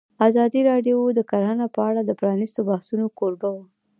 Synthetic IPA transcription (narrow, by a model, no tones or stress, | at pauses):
azɑd̪iɾɑɖjwd̪əkaɾhanapəaɽad̪əpɾɑnist̪obahsunokoɾbawa